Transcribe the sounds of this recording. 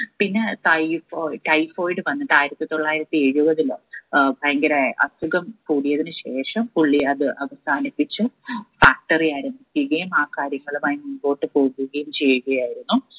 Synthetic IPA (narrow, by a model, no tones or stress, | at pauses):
pinːe̞tɐjfoʈɐjfoːjɖɨʋɐnːɐt̪ːaːjiɾɐt̪ːit̪o̞ɭːaːjiɾɐt̪ːie̞ɻubɐðilbʱajŋɡɐɾajeʔɐ̰suɣɐmkuːɽijɐðinɨɕe̞ːʂɐmkuɭːiɐðɨʔɐʋɐsʰaːnipːit͡ɕːɨfaːk̚ʈɐriaːɾɐmbʱikʲːiɣɐjumaːkːaːɾjɐŋːɐɭumaːjimunbo̞ːʈːɨpo̞ːɣuɣɐjumt͡ɕe̞jːuɣɐjaːjiɾunːu